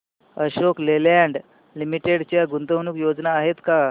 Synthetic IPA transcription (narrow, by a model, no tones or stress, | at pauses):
əɕokleljaɳɖ | limiʈeɽt͡ɕjaɡunt̪ənuːkjod͡znaːɦet̪ka